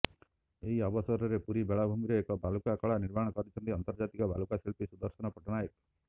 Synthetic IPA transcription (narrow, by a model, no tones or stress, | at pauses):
eɦiɔbɔsɔɾɔɾepuɾibeɭabʱumiɾeekɔbʱalukakɔɭaniɾmaɽ̃ɔkɔɾit͡ʃʰɔnt̪iɔnt̪ɔɾd͡ʒat̪ikɔbʱalukaselpisud̪ɔɾsɔnɔpɔʈɔnajɔk̪